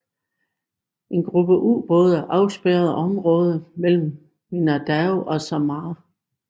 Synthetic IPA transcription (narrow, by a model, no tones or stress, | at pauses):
ʔe̝nɡ̥ʁub̥əʔṵːb̥ɔ̽ːð̞ˠæʔɑ̈ʊsb̥eɐð̞̩ˠʔɒ̽mʁɔ̽ːð̞ˠəmel̰m̩ | minæd̥æʊʔɒ̽sɑmɑː